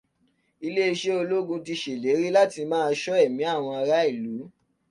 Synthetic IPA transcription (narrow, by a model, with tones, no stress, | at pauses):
i˧le˦i˧ʃe˦o˧lo˦ɡũ˧ti˧ʃe˨le˨˦ɾi˦la˦ti˧mãː˦˧ʃɔ˦ɛ˦˨mĩ˨˦a˦˨w̃ɔ̃˧a˧ɾa˦i˦˨lu˨˦